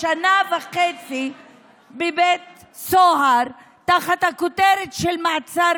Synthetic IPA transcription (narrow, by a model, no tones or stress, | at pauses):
anavaχet͡si | bebet̪̚ | soɦaɾ | t̪aχat̪hakot̪eɾet̪ʃelmaat͡saɾ